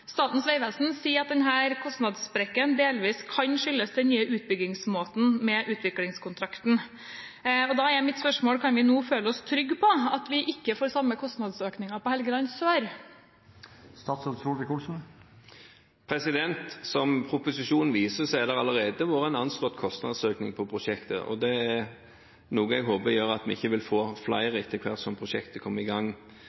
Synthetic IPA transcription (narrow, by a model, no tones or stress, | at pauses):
st̪ɑːt̪n̩sʋæɪʋɛlsn̩siːɾɑt̪̚d̪ɛnɦæːɾkʰɔst̪nɑd̪sbɾɛkːənd̪eːlʋiːskʰɑnʂʏlːəsd̪d̪ɛnnyːəʉːt̪̚bʏɡɪŋsmoːt̪n̩mɛʔʉːt̪ʰʋɪklɪŋskʰʊnt̪ʰɾɑkt̪n̩ | ɔd̪ɑæɾjæɪmɪt̪spœʂmoːlkʰɑnʋɪnuːføːləɔst̪ʰɾʏɡpʰɔɑt̪ʋɪʔɪkːəfoːɾsɑmːəkʰɔst̪nɑd̪søːknɪŋɑpɔhɛlɡəlɑnsøːɾ | st̪ɑːt̪sɔsuːlɪkulsn̩ | pʰɾɛsɪd̪ɛnt̪sɔmpʰɾʊpʊsɪʂuːnʋiːsəsɛɪɛd̪ɛɾɑləɾeːd̪əʋoːɾəɛnɑnst̪ɔt̪kʰɔst̪nɑ̰d̪søːknɪ̰ŋpʰɔpʰɾʊʂɛkt̪ə̰ʔɔ̰d̪ɛæɾ | nuːɡəɛɡɦoːbəɾjøːɾɑt̪ʋɪɪçːəʋɪlfoːflɑɪʁɪt̪ʰːɪkʰʋæʁt̪sɔmpʰʁʊʂɛkt̪əkʰɔmːəɾɪɡɑŋː